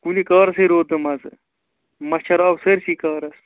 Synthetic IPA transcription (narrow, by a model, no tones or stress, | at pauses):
kulikɐːɾɐseɾoːt̪ɨmɐsɨ | mɐt͡ʃʰɐɾaːbseɾsikaːɾɐs